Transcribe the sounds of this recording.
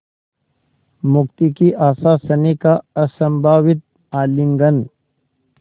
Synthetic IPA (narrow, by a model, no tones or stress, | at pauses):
mʊk̚t̪ikiʔaːsasənekaɐsə̃mbʱaːwɪt̪̚ | aːlɪ̃ŋɡən